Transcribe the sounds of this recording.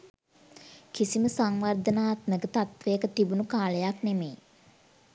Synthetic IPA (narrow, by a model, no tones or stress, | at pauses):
kisiməsaŋʋard̪ənaːt̪məkət̪at̪ʋəjəkət̪ibunukaːləjaknemḛː